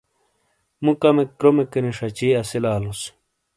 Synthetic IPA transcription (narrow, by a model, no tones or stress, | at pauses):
mũkɐmekɾomekeniʂɐt͡ɕiːɐsilaːlus